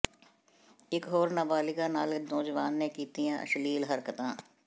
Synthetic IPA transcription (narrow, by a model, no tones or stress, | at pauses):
ɪkɦoːɾnaːbaːlɪkãːnaːlnɔːd͡ʒʋaːnːẽkiːt̪ijãːʔə̰ʃliːlɦəɾkət̪ãː